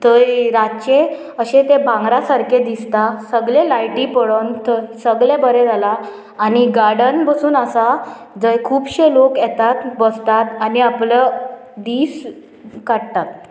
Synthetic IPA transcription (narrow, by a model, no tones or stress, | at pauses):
t̪əɾat͡ɕe | əɕẽt̪ebãŋɡɾasaɾked̪ist̪asəɡɭlelajʈipəɽont̪əsəɡɭebəɾed͡zalaː | niɡaɽənbəsuːnəsa | d͡zəjkʰuːbɕelokjɛt̪at̪bəst̪at̪aniapləd̪iːs | kaɽt̪at̪̚